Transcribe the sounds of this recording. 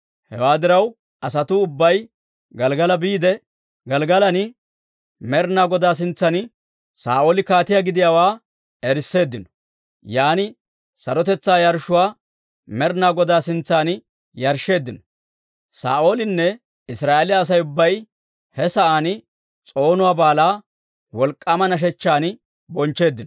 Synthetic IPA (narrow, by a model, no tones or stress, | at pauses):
hɛ̰waːd̪ɪɾɐw | ʔɐsɐt̪ʊːʊbːɐj | ɡɐlɡɐlɐbiːd̪ɛ | ɡɐlɡɐlɐnɪ | mɛɾnaːɡɔd̪aːs̬ɪnt͡sːɐnɪ | sa̰ːʔo̞ːlɪkaːt̪ɪjaɡɪd̪ɪjaːwaː | ɛɾɪsːe̞ːd̪ːɪnɔ̥ | jaːnɪ | sɐɾɔt̪ɛt͡sːaːjɐɾʃːʊwaː | mɛɾnaːɡɔd̪aːsɪnt͡sːaːn | jɐɾʃːe̞ːd̪ːɪnɔ | sa̰ːʔo̞ːlɪnːɛ | ɪsɾaːʔelɪjɐːs̬ɐjʊbːɐj | hɛsɐʔaːn | t͡sʼo̞ːnʊwaːbaːlaː | wɔlkʼːɐmɐnɐʃ̬ɛt͡ʃːaːn | bɔnt͡ʃːe̞ːd̪ːɪnɔ